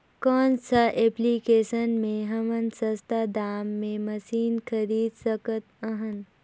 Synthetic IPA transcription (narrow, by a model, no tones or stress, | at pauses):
kɔːnsaʔeplikeːsənmẽɦɐmənsəst̪ad̪aːmːẽməsiːnkʰəɾiːd̪səkət̪əɦən